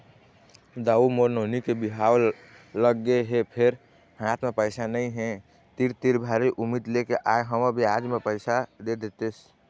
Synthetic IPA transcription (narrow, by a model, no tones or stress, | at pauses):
d̪aumoɾnonikebiɦaw | ləɡːeɦepʰeɾ | hãt̪ʰmepəɪsanəĩɦɛ̃ | t̪iɾt̪iɾbʱaɾiʔumid̪lekeʔaeɦəməbʱiad͡ʒmepəɪsad̪ed̪et̪es